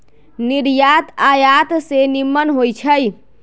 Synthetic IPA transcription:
niɾjat̪ajat̪senimːənɦojt͡ʃʰəj

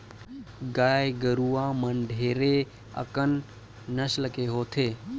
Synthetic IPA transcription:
ɡaːjɡəɾuaməɳɖʱeːɾe | ə̰kənː | əʃləkeɦoːt̪ʰeː

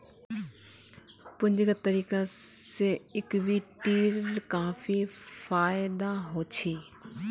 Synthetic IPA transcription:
pʊɲd͡ʒɡət̪əɾiːkaseɪkbiʈiːlkaːfifaːjɪd̪aɦoːt͡ʃʰiː

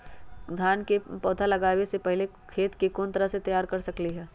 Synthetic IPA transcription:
d̪ʱjaːnkepɔːd̪ʱʰalɐɡaːwesepɛɦle | kʰeːt̪kikoːnt̪ɐɾəɦset̪ɐjaːɾkɐɾsɐkliɦɛː

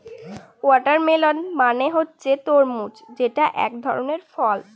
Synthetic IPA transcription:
wɔʈaɾmelonmaneɦotːɕʰet̪oɾmut͡ɕd͡ʑeʈaʔɛ̰k̚d̪ʱɔ̰ɾoneɾfɔl

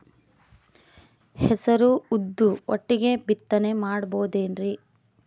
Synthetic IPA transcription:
hɛsɐɾuud̪ːuoʈːiɡe̞bit̪ːɐnemaːɽɐboːd̪eːnɾi

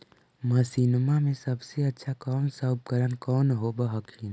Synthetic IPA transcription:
məsiːnmamẽsɐbseɐtːʃʰakɔːnsaʊp̚kəɾənkɔːnɦobəɦəkʰiːn

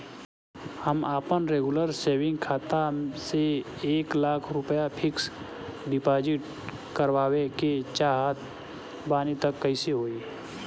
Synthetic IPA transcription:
həmaːpənɾeːɡʊləɾseːwɪ̃ŋɡkʰaːt̪aseeːklaːkʰɾʊpəjapʰɪks | ɖɪpaːd͡ʒɪʈ | kəɾwaːweket͡ʃaːɦət̪̚ʰ | baːnit̪əkːəɪseɦoːiː

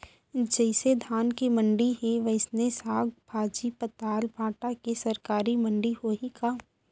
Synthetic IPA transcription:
d͡ʒɛːɪsed̪ʱaːnkimɐ̃ɳɖiɦeʋɐɪsnesaːɡ̚bʱaːd͡ʒipət̪aːlbʱãːʈakesɐɾkaːɾimɐ̃ɳɖiɦoikaː

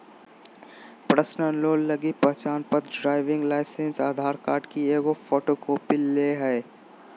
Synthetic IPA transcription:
pɾəsnənloːlːəɡipəɦt͡ʃaːnpət̪ɖɾaːɪʋɪ̃ŋɡlaːɪsensaːd̪ʱaːɾkaːɾʈkieɡofʰoːʈokoːpilːeɦɛː

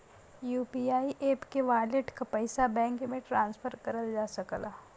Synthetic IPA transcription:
juːpiaːiʔeːpkeʋaːlɪʈkapəɪsabɛ̃ːŋkmẽʈɾãːnspʰəɾkɐɾəld͡ʒaːsɐklaː

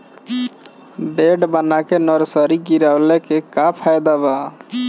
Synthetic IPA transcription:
beɖbənakenəɾsəɾiɡiɾawlekekapʰajd̪aba

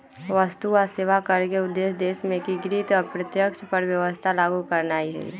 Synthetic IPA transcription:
ʋəst̪uaseːʋakɐɾkeʊd̪ːeːsd̪ːeːsmẽkiɡɾiːt̪ɔɾpɾət̪jəkʃpəɾʋjəʋəst̪ʰalaːɡukɐɾnaːiɦɛ̰ː

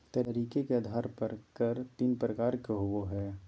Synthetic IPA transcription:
t̪ɐɾiːkekeɐd̪ʱaːɾpɐɾkɐɾt̪iːnpɾəkaːɾkeɦʊwoɦɛː

